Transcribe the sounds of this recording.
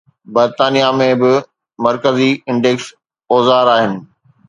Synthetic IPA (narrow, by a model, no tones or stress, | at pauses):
bɐɾt̪aːnijamẽbɪ | mɐɾkəziɪ̃ɳɖeks | oːzaːɾaːɦɪnɪ̆